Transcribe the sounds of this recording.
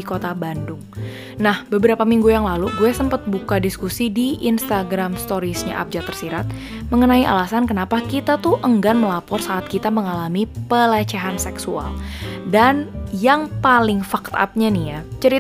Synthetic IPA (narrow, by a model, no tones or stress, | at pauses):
ikot̪abandʊŋ | nahbəbəɾapamiŋɡujaŋlaluɡuɛsəmpət̪̚bukadiskusidiʔinst̪aɡɾamst̪oɾisɲa̰ʔa̰p̚d͡ʒat̪ərsiɾat̪̚ | məŋənaiʔa̰lasankənapakit̪at̪uʔəŋɡanməlapɔrsaːt̪̚kit̪aməŋalamipəlat͡ʃɛɦansɛksua̰ldanjaŋpalɪŋfak̚t̪a̰p̚ɲanihjat͡ʃəɾit